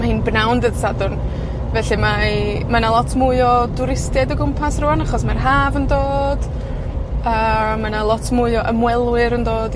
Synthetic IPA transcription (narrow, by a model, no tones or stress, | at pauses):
mahiːnbnawndəðsadʊrn | vɛɬɨma | manalˠɔtʰmuɨɔdʊɾɪstjɛdəɡʊmpʰasruanaχɔsmarɦaːvəndoːd̥ | əːmanalˠɔtʰmʊɨɔʔəmwɛlˠwɨɾəndoːd